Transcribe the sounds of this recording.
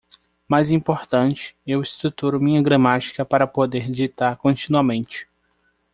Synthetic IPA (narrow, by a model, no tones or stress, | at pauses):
majzĩpoɾt̪ɐ̃nt͡ʃɪ̥ewɪst̪ɾut̪uɾʊmĩɲɐɡɾɐ̃mat͡ʃi̥kɐpaɾɐpod̪eɾd͡ʒit̪aɾkõt͡ʃĩnuɐmẽnt͡ʃɪ̥